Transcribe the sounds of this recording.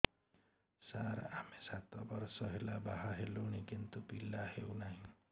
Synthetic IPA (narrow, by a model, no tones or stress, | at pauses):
saɾamesat̪ɔbɔɾsɔɦelabaɦaɦeluɽ̃ikint̪upilahewnaɦĩ